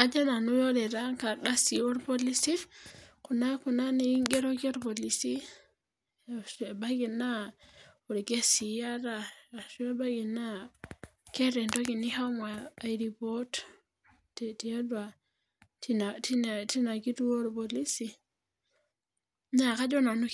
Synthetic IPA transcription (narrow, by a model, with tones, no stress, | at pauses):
a˨d͡ʒa˦na˨nu˦jo˦le˨ɾa˦ŋka˨da˦si˨wo˦ɾpo˦li˦si˦ku˨na˦ku˨na˦ne˨ji˦ŋɡe˦ɾo˦ke˦ɾbo˨li˨si˦˨ | se˨ba˦ɡi˨na˦o˨ɾɡe˦si˨ja˦ɾa˦˨ʃe˦ba˦ɡi˨na˦ | ke˦ɾe˨nto˦ki˨ni˦ha˦maː˨jɾi˨po˦t | teti˨a˦da˨ | ti˦na˨ti˦˨ti˦na˨ki˦tu˦wo˦ɾbo˨li˦si˨ | na˨ka˦d͡ʒo˦na˨nu˦